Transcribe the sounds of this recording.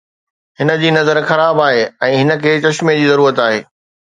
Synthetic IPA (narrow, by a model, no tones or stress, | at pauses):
ɦɪnə̆d͡ʑiːnɐzəɾxɐɾaːbaːɦeːɛ̃ːɦɪnə̆kʰeːt͡ɕɐʃmẽd͡ʑiːzɐɾuːɾət̪aːɦeː